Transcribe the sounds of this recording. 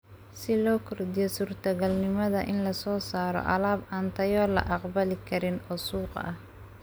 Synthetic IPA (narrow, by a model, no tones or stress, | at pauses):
sɪlɔːkʰɔrd̪ɪjɔsuːrt̪ʰɐɣɐlnɪmɐðɐʔɪnlɐsɔːsaːɾɔ̰ʔɑ̰laːbʔɐnt̪ʰɐjɔːlɐ̰ʔɑqbɐlɪkʰɐɾɪnɔːsuːqʔɐ̰h